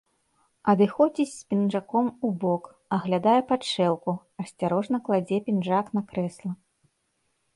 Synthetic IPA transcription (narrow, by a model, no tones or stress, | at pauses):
ɐd̪ɨxɔd͡zʲit͡sʲspʲinʐakɔmubɔk | ɐɣlʲad̪ajɛpat͡ʂɛlˠku | ɐsʲt͡sʲaɾɔʐnɐklˠad͡zʲɛpʲinʐaknakɾɛslˠɐ